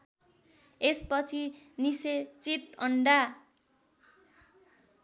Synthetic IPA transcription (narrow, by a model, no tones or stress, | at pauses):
espʌt͡sʰiniset͡sit̪ʌɳɖa